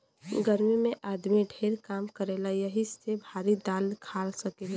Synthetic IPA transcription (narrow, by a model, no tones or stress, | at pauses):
ɡəɾmimeʔad̪miɖʱeɾkamkəɾelajəɦisebʱaɾid̪alkʰalsəkela